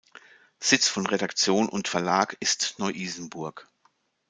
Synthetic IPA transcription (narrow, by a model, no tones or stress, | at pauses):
z̥ɪt͡sfɔnʁeɾakt͡sjoːnʊ̰ntfɛɐlaːkɪstnɔʏʔiːzn̩bʊɐk